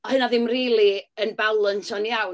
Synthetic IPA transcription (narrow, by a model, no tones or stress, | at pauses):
ɔhɨnaðɪmriːlˠiənbalˠənsɔnjaw